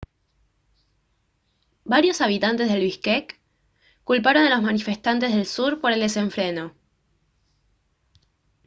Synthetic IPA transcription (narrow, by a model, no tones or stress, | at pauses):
baɾjo̞saβit̪ant̪e̞zð̞e̞lβihkekː | ulpaɾo̞nd̪elozmanife̞st̪ant̪e̞zðe̞lsuɾpo̞ɾe̞ld̪e̞se̞ɱfɾeno̞